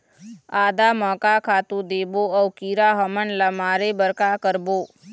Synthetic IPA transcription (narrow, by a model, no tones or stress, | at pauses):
aːd̪aːməkaːkʰaːt̪ũd̪eːboːəwkiːɾaːɦəmənləmaːɾebəɾkaːkəɾboː